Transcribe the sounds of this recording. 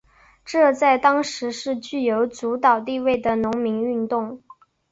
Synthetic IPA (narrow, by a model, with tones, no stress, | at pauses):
ʈ͡ʂɤ˥˧t͡sa˥˩ɪt̪ɑ˥ŋʂɻ̩˧˥ʂɻ̩˥˧t͡ɕy˥˩jo˧˥ʊt͡su˧˥t̪ɑ˨˩ʊt̪i˥˧we˥˩ɪd̪ə˩nʊ˧˥ŋmi˧˥ŋy˥˧nt̪ʊ˥˩ŋ